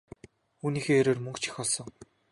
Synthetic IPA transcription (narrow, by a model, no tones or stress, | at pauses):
uːniːxeːeɾoːrmɵŋkt͡ɕʰĭ̥xʲɔɮsɞ̆ŋ